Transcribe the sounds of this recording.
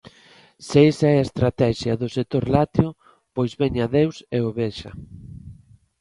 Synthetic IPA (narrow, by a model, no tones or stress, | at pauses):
seesaɛaest̪ɾat̪ɛʃjaðʊsek̚t̪oɾlat̪jo | pojzβeɲaðewseoβeʃɐ̰